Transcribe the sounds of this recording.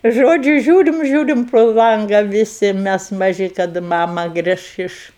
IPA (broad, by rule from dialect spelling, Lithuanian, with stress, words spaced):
ˈʒoːd͡ʒʲʊ ˈʒʲuːrʲɪm ˈʒʲuːrʲɪm proː ˈlˠɐŋɡɐ ʋʲɪˈsʲɪ ˈmʲɛs mɐˈʒʲɪ kɐˈdɐ ˈmɑːmɐ ˈɡrʲɪʃ ɪʃ